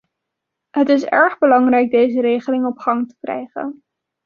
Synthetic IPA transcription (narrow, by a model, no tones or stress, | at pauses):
ɦətɪsɛ̰ɹχbəlɑŋrɛjɡ̚dejzəɾejχəlɪŋɔpχɑŋtə̥krɛ̰jχə̰n